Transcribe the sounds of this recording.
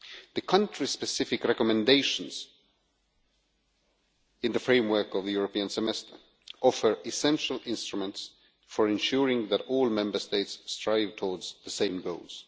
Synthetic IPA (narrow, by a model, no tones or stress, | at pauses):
ðɨkʰʌ̃ntʰɹ̥ispɨsɪfɨkɹɛkɔmɛ̃ndeɪʃə̃nz̥ | ɨ̃nðəfɹẽɪ̃mwɜ˞kʌvðɨjuɹəpiə̃nsɛmɛstə˞ | ʔɔfə˞ɪsɛ̃nʃəl̩ˠɪ̃nstɹ̥umə̃nts | fəɹɛ̃nʃuɹɪ̃ŋðæɾɔlˠmɛ̃mbə˞steɪtsːtɹ̥aɪv̥tʰɔɹdz̥ðəsẽɪ̃mɡoʊlˠz̥